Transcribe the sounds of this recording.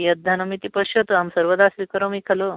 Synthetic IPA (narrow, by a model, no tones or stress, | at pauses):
jɐd̪ʱːanɐmit̪ipɐɕɐt̪oamsəɾʋəd̪asʋikɐɾomikʰɐlo